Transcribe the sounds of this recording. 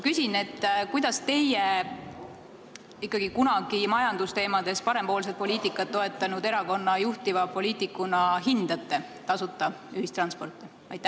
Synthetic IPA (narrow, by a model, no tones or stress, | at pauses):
kysʲine̞t̪ːˑkujd̪̥ɑst̪e̞je | ikːˑɑɡ̥ikunɑɡ̥imɑjɑnd̪̥ust̪e̞ːmɑd̪̥e̞spɑɾe̞mpo̞ːlset̪̚po̞lʲiːt̪ːˑikːˑɑt̪ːo̞e̞t̪ːˑɑnud̪e̞ɾɑko̞nːɑjuht̪ivɑpo̞lʲiːt̪ːˑikːˑunɑɦind̪̥ɑt̪ːˑe̞t̪ɑsut̪ːˑɑ | yhist̪rɑnspo̞rt̪ˑːi | ɑjt̪ːˑæ